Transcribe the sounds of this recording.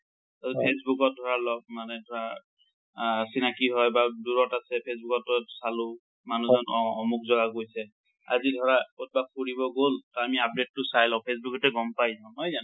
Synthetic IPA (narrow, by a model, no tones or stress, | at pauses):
azpʰesbukɔt̚dʱɔɹalɔb̚manɛdʱɔɹa | sinakiɦɔjbaduɹɔtasɛpʰes̬bukɔtːɔsalʊ | manuzɔnɔmuk̚zɔɡakojsɛ | a̰zidʱɔɹakot̚bakkʰuɹibɔɡoltɔamiap̚det̚ːʊsajlãʊ̃pʰes̬bukɔtɛɡɔmpajzãɦɔjzan